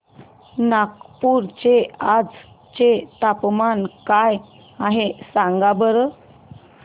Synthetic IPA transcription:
nakpuɾt͡ɕead͡z | t͡ɕet̪apmankaj | aɦesãŋɡabəɾə

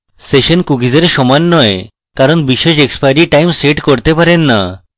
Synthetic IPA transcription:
seʃonkuɡid͡ʑeɾʃɔmanːɔe | kaɾonbiʃeʃekspajɾiʈajmseʈkoɾt̪epaɾenːa

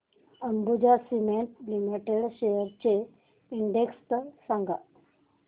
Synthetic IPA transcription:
əmbud͡ʑasimeɳʈlimiʈeɽɕejəɾt͡ɕe | iɳɖekst̪əsãŋɡa

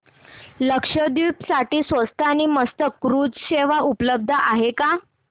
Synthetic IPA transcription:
ləkʂəd̪iːpsaʈiːsʋəst̪ʰaniməst̪əkːɾuːd͡zɕeʋaʔupləb̚d̪ʱaʔaɦeka

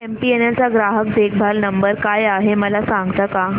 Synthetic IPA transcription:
empienelt͡saɡɾaɦək̚d̪ek̚ʰbʱalnəmbəɾkajaɦeməlasãŋɡt̪aka

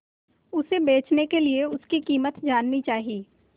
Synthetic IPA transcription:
ʊsebeːt͡ʃnekelieʊskikiːmət̪d͡ʒaːnːit͡ʃaːɦiː

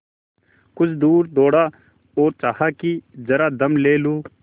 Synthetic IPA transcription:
kʊt͡ʃʰd̪uːɾd̪oːɽa | oːɾt͡ʃaːɦaːkid͡ʒɐɾad̪ɐmleːluː

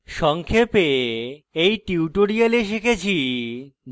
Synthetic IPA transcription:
ʃɔŋkʰepe | ejʈiuʈoɾialeʃekʰet͡ɕʰi

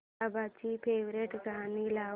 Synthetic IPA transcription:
abat͡ʃipʰeːʋɾeʈkaːnilaː

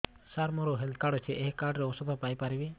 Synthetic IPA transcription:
saɾmɔɾɔɦɛld̪̚kaɽɔt͡ʃʰɛʔɛɦkaɾɖɾɛɔsɔbʰʱapajpaɾibɛ

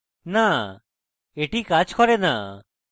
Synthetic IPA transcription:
na | eʈiːkat͡ʃkɔɾenaː

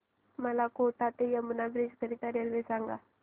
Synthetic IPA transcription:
məlakoʈat̪ejamunabɾid͡ʒkəɾit̪aɾelʋesãŋɡa̰

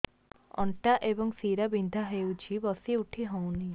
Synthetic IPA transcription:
ɔ̰ɳʈaʔebɔŋsiɾabind̪ʱaɦewt͡ʃʰibɔsiuʈʰiɦɔ̃wni

